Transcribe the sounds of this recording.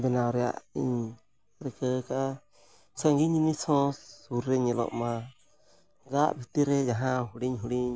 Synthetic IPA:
bɛnaɾɛa̰ʔḭɲ | ɾikəka | saŋɡiɲimisɔ̃uɾːɛɲɛlɔ̰ʔma | ɡaʔbit̪iɾɛjaɦãɦuɽiɲɦuɽiɲ

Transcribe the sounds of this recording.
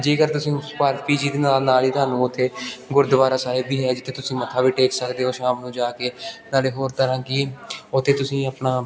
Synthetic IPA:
d͡ʒeːkəɾt̪ʊsĩːpəɾpiːd͡ʒiːd̪iːnaːlnaːliːt̪ɦaːnũːʊt̪ʰːeːɡʊɾd̪əʋaːɾaːsaːɦɪbiːɦɛːd͡ʒɪt̪ʰːẽːt̪ʊsĩːmət̪ʰaːbiːʈeːksəkd̪eːɦoːʃaːmnũːd͡ʒaːkeːnaːleːɦoːɾt̪əɾãːkiʊt̪ʰːeːt̪ʊsĩːəpnaː

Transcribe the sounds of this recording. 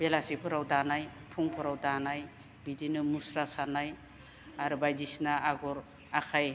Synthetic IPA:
b̥elasipʰɔɾawdanajpʰuŋpʰɔɾawdanaj | bidinɯmusɾasanaj | aɾbajdisnaaɡɔɾ | akʰaj

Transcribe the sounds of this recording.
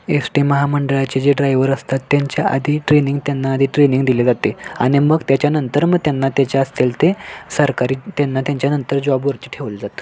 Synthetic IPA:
esʈiməɦaməɳɖəɭat͡ɕed͡ʑeɖɾajʋəɾəst̪at̪ːjaɲt͡ɕjaʔə̰d̪ʱiːʈɾeniŋɡt̪janːaːd̪ʱiːʈɾeniŋɡd̪iled͡zat̪eaɽ̃iməɡt̪jat͡ɕjanənt̪əɾməɡ̚t̪janːat̪jat͡ɕjaəst̪elt̪esəɾkaɾiːt̪janːat̪jaɲt͡ɕjanənt̪əɾd͡zabʋəɾt͡ɕ̪iʈʰeʋld͡zat̪

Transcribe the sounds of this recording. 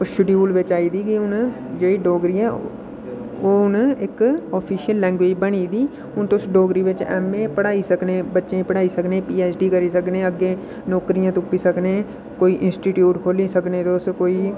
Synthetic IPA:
ʊʃʊɖiːuːlʋɪt͡ʃaːiːd̪iːkiʊn | d͡ʒeːɽiːɖoːɡɾiːɦɛː | oːʊnɪkɔːpʰiːʃjəlːɛ̃ːŋɡʋeːd͡ʒbəñiːd̪iː | ʊnt̪oʊsɖoːɡɾiːʋɪt͡ʃɛ̰ːmːẽːpəɽaːisəknẽːbətːʃẽpəɽaːisəknẽːpiːɛːt͡ʃɖiːkəɾiːsəkneːəɡːẽː | nɔːkɾijãːt̪ʊpiːsəkneː | koːiʔɪ̃nsʈiːʈjuːʈkʰoːlisəkneːt̪oʊskoːiː

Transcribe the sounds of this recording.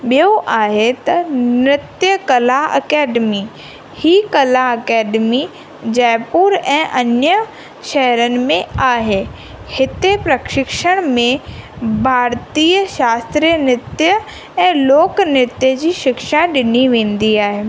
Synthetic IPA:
ɓijoʔaːɦet̪ɐnɪt̪jəkɐlaɐ̰kɛːɖmi | hikɐlaɐkɛːɖmi | d͡ʑɛːpuːɾɛ̃ːʔɐnjə | ʃɛɦəɾənɪ̆mẽaːɦe | hɪt̪epɾɐkʃɪkʃəɽ̃mẽ | bʱaːɾt̪iːəʃaːst̪ɾijənɪt̪jə | ɛ̃ːloːknɪt̪jəd͡ʑiːʃɪkʃaɗɪniʋẽːn̆d̪iaːɦeː

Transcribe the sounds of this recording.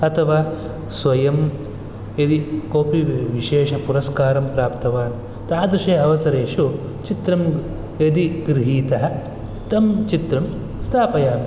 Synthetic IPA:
ɐt̪ʰɐʋaː | sʋɐjɐm | ed̪ikoːpiʋiʃeːʃɐpuɾɐskaːɾɐmpɾaːpt̪ɐʋaːn | t̪aːd̪iʃeːɐʋɐsɐɾeːʂu | t͡ʃit̪ɾɐm | ed̪iɡɾiɦiːt̪ɐɦɐ | t̪ɐmt͡ʃit̪ɾɐm | st̪ʰaːpɐjaːm

